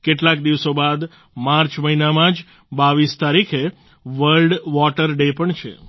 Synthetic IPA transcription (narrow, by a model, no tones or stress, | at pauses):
keʈlakd̪iʋsobad̪ | maɾt͡ʃməɦinamãd͡ʒ | baʋist̪aɾikʰe | ʋəɾlɖʋɔʈəɾɖepəɳt͡ʃʰḛ